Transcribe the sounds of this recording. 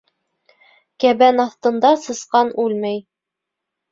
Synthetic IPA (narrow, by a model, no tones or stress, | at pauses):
kæβænɑθt̪ɤ̆nd̪ɑsɤ̆sqɑnʉlmæj